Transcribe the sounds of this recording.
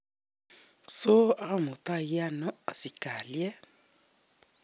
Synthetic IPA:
so˦a˦˨mo˨ta˦ji˦a˦nɔ̃˦ɔ˨si˨ka˨li˦ɛ˦

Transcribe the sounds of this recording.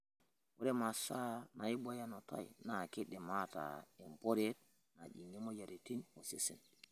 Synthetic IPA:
wu˦ɾe˦ma˨sa˦na˨i˦bo˦ja˦no˨ta̰˦jḭna˨ki˦de˨mata̰i˨mpo˦ɾe˦t̚ | na˨d͡ʒi˨ŋi˦mo˦ja˨ɾi˨ti˦nwo˨si˨sḭ˨n

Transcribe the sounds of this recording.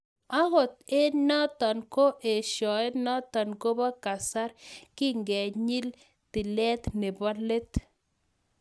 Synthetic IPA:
a˦ɣo˨t̪̚e˦nɔ˦t̪ɔ˨nko˦ʔe˨ʃɔ˨e˦nɔ˦t̪ɔ˨nko˦ba˦ka˨sa˦ɾkɪ˦ŋɡɛ˨ɲi˦l | t̪ɪ˨lɛ˦t̪ne˨ba˦le˦t̪

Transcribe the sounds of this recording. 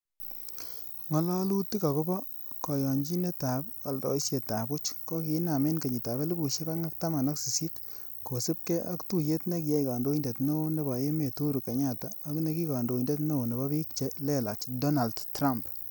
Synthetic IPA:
ŋɔ˨lɔ˦lu˦ti˦ka˨ko˦bɔ˦ | kɔ˨jɔ˨ɲd͡ʒi˦ne˦ta˨pa˨lɾɔ̰˨iʃje˨ta˨bʊ˦t͡ʃkɔ˦kɪ˨˦na˨me˦nke˨ɲi˨ta˨βe˦li˦bu˨ʃe˦ka˦ŋa˦k̚ta˦ma˨nɔ˦ksi˨si˦t | ko˨sɪ˦p̚kɛ˦ʔa˦ktu˦je˦tne˦k̬i˨jɛ˦jka˨ndo˦i˦nde˨tno˦ne˦ba˨je˦me˨tu˦ɾu˨ka˨ɲa˦˨taː˨˦ku˦ne˦ki˦ka˨ndo˨i˨nde˦tno˦o˨ne˨bɔ˦bi˦k̚t͡ʃe˦lɛ˦la̰˨t͡ʃdɔ˦na˨ldtɾa˦mp

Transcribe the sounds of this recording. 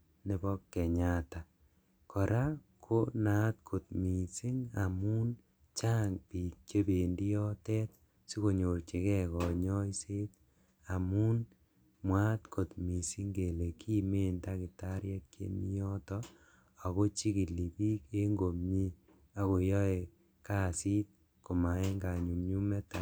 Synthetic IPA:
ne˨bɔ˦kːɛ˨ɲata˨ | kʰɔ˨ɾʔa˦kʰo˦na˦t̚kʰo˨t̚mi˨si˦ŋa˨mu˦n | t͡ʃaː˦ŋpi˨t͡ʃe˦be˨ndi˦jɔ˦tɛ˦t | si˦ko˨ɲo˨rt͡ʃe˨kɛ˦kɔ˨ɲɔ˦i˦se˦t | a˨mu˦n | mwa˦tkʰo˨tmi˨si˦ŋɡe˨le˨kʰi˦me˦nta˦ki˨ta˦ɾjɛ˦t̚kḛ˦ni˦jɔ˦tɔ˦ | a˨ko˦t͡ʃi˦ki˨li˨pi˦ke˦ŋɡo˨mɲi˦ | a˨ko˨jɔ˦e˨ | ka˦si˦t̚ | ko˨ma˨e˦ŋɡa˨ɲu˨mɲu˦mɛ˦ta˨

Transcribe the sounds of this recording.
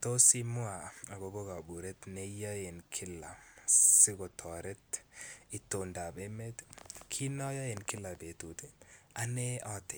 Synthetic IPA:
to˦si˦mʊ˦a˨a˨ɡobo˦ka˨bu˨ɾetne˦ja˦je˨nkʰɪ˦la̰˨si˦ko˨tʰɔ˨ɾe˦titonda˨be˦me˦tkʰi˦nɔ˦ja˦je˨nkɪ˦la˨be˨tu˨tea˦ne˦ɔ˦te˨

